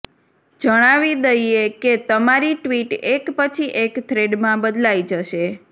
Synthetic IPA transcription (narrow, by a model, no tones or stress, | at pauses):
d͡ʒəɽ̃aʋid̪əjeket̪əmaɾiʈʋiʈekpət͡ʃʰiʔekt̪ʰɾeɖmãbəd̪lajd͡ʒəʃe